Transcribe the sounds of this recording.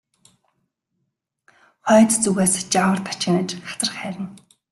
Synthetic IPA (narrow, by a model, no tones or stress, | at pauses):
χœːt̪t͡suɣeːst͡ɕawə̆rt̪ʰḁt͡ɕɪ̆nə̆ːt͡ɕχḁt͡sə̆rχæːɾʲɪ̆n